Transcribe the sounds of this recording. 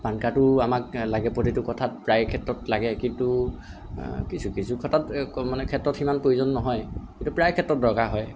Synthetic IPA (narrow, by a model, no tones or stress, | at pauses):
pankatʊamak̚laɡɛpotitʊkɔtʰat̚pɹajkʰɛtɹɔtlaɡɛkintu | kisukisukʰɔtatmanɛkʰɛtɹɔtximanpoizɔnːɔɦɔjkintupɹajkʰɛtɹɔt̚dɔɹkaɦɔj